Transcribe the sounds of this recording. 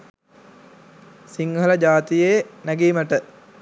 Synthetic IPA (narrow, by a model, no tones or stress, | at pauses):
siŋɡələd͡ʒaːt̪ijenæɡiːməʈə